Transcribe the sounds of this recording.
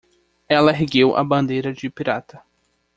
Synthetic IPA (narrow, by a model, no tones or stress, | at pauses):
ɛlɐɦiɡewʔɐ̰bɐ̃nd̪ejɾɐd͡ʒɪpiɾat̪ɐ